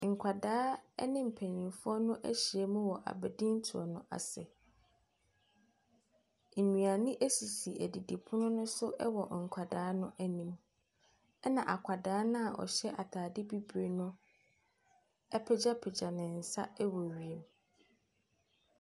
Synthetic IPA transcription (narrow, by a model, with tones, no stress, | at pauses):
ŋ̩˨kʷʰa˨daː˦ɛ̰˦nɪ̃˦m̩˨pʰɛ˨nĩ˨fʊ˦ɔ˦nʊ̃˦ʔæ̰˦ɕi˨ɛ˨mũ˦wɔ˨ʔa̰˨bæ˨dĩ˦n̩˦tʰu˨ɔ̰˨nʊ̃˦ʔa̰˨sɛ˨ | m̩˨nũ˨a˨nɪ̃˦ʔæ˦si˨si˨ʔæ˨di˨di˨pʰʊ˦nʊ̃˦nʊ̃˦sʊ˦ʔɛ̰˦wɔ˨ŋ̩˨kʷʰa˨daː˨˦nʊ̃˦ʔæ˦nĩ˨m | ɛ˦nã˨ʔa˨kʷʰa˨daː˨˦nʊ̃˦a˨ʔɔ̰˨ɕɛ˦ʔa˨tʰaː˨dɪ˦bi˦bɾe˨nʊ̃˦ | ɛ˦pʰɛ˦d͡ʑa˦pʰɛ˨d͡ʑa˨nɪ̃˨n̩˨sa̰˦ɛ˦wɔ˨wi˨e˨m˨